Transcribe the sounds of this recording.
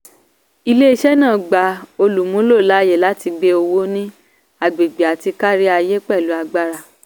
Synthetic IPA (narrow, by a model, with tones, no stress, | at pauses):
i˧le˦i˧ʃɛ˦nãː˦˨ɡ͡ba˨o˧lu˨mũ˨˦lo˦˨la˨˦je˦˨la˨˦ti˧ɡ͡be˦o˧wo˦nĩ˦ | a˧ɡ͡be˨ɡ͡be˨a˨ti˧ka˦ɾi˦a˧je˦k͡pɛ˦˨lu˨˦a˧ɡ͡ba˦ɾa˧